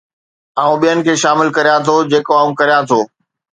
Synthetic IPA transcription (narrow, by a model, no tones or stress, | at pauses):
aːũɓijənɪ̆kʰeːʃaːmɪlkɐɾijãt̪ʰod͡ʑeːkoaːũkɐɾijãt̪ʰoː